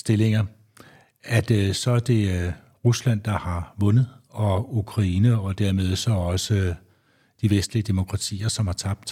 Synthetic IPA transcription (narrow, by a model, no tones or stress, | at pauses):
sd̥e̝le̝ŋɐ | æd̥sɒ̽æɐd̥e̝ | ʁuslæn̰d̥ɑ̈hɑ̈ʋɔ̽nəð̩ˠɒ̽ukʰʁɑiːnəɒ̽d̥æɐme̝ð̞ˠsɒ̽ɒ̽sə | d̥iʋesd̥liəd̥e̝mo̝kʰʁɑ̈t͡sʰḭːɐsɒ̽mhɑ̈t͡sʰɑ̈b̥̚d̥